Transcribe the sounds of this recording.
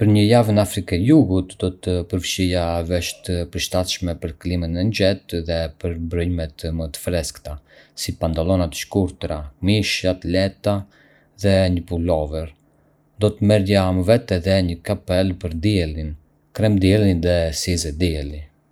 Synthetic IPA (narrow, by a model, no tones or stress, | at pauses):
pəɾɲəjavnafɾikɛjuɡut̪d̪ɔt̪əpəɾfʃijavɛʃt̪əpəɾʃt̪at̪ʃmɛpəɾklimənɛnd͡ʒɛt̪ðɛpəɾbɾəjmɛt̪mət̪ə̥fɾɛskt̪a | sipant̪alˠɔnat̪ə̥ʃkuɾt̪ɾamiʃat̪lɛt̪a | ðɛɲəpulɔvəɾ | d̪ɔt̪əmɛɾjaməvɛt̪ɛðɛɲəkapɛlpəɾd̪iɛlin | kɾɛmd̪iɛlˠinðɛsizɛd̪iɛli